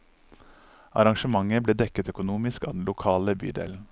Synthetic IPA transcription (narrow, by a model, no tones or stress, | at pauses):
ɑ̰ɾɑŋʃəmɑŋəbleːd̪ɛkət̪œkʊnuːmɪskɑːd̪n̩lʊkʰɑːləby̰ːd̪ḛːln̩